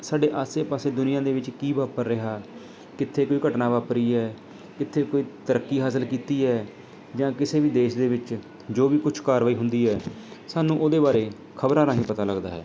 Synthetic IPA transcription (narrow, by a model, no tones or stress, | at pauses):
saːɖeːʔaːseːpaːseːd̪ʊnɪjãːd̪eːʋɪt͡ʃkiːʋaːpəɾːɪɦaː | kɪt̪ʰːeːkoːiːkəʈnaːʋaːpɾiːɛː | kɪt̪ʰːeːkoːiːt̪əɾəkːiːɦaːsəlkiːt̪iːɦɛː | d͡ʒãːkɪseːʋiːd̪eːʃd̪eːʋɪt͡ʃ | d͡ʒoːʋiːkʊt͡ʃʰkaːɾʋaːiːɦʊnd̪iːɦɛː | saːnũːʔoːd̪eːbaːɾeː | kʰəbɾãːɾãːɦĩːpət̪aːləɡd̪a̰ːɦɛ̰ː